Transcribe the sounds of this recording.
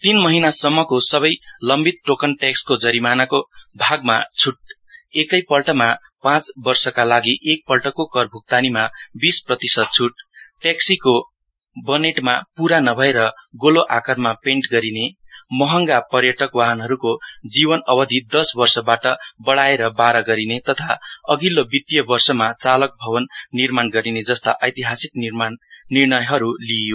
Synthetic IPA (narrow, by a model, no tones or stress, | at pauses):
t̪inmʌɦinasʌmːʌkosʌβʌjlʌmbit̪̚ʈokʌnʈekskod͡zʌɾimanakobʱaɡma̰t͡sʰuʈ̚ | ekʌjpʌlʈʌma | pãt͡sbʌrsʌkalaɡiʔek̚pʌlʈʌkokʌrbʱuk̚t̪animabisprʌt̪isʌd̪̚t͡sʰuʈʈeksiko | bʌneʈmapuɾanʌbʱʌeɾʌɡoloʔakʌrmapeɳʈɡʌɾinemʌɦʌŋɡapʌrjʌʈʌkwaɦʌnɦʌɾukod͡zibʌnʌbʌd̪ʱid̪ʌsbʌrsʌbaʈʌbʌɽaeɾʌbaɾʌɡʌɾinet̪ʌt̪ʰaʌɡilːobit̪jʌbʌrsʌmat͡salʌk̚bʱʌbʌnːirmanɡʌɾined͡zʌst̪aʔʌjt̪iɦasiknmnirnʌjɦʌɾulijo